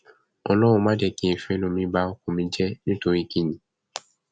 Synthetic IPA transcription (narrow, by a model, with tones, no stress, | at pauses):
ɔ˧lɔ˦w̃ũ˧mã˦dɛ˧˨kĩ˦ĩ˨fɛ˨˦nũ˦˨mĩ˧ba˧˦o˦kũ˨mĩ˧d͡ʒɛ˦nĩ˦to˧ɾi˦kĩ˦˨ɲĩ˨